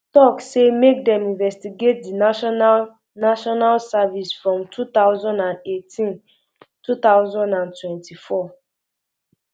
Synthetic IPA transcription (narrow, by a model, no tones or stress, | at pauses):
tɔksemek̚dɛ̃mĩnvɛstiɡet̚dina | naʃɔnalsavisfɹɔ̃mtʰutaʊzɔ̃ndãnetʰĩn | tʰut̪aʊzɔ̃ndãntwɛ̃ntifɔ